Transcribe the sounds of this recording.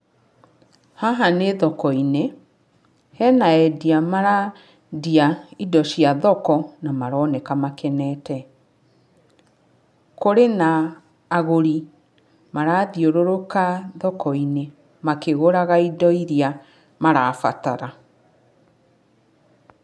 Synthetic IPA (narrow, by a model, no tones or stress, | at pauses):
haɦaneðɔkɔine | hɛnaɛdiamaɾa | diaidɔɕjaðɔkɔnamaɾɔnekamakɛnɛtɛ | koɾenaː | ɣoɾi | maɾaðioɾoɾokaðɔkɔine | makeɣoɾaɣaidɔiɾia | maɾafa̰taɾa